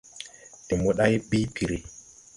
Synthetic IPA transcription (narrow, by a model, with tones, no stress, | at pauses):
ti˨mo˨˦ɗa˦jbi˦pi˨ɾi˨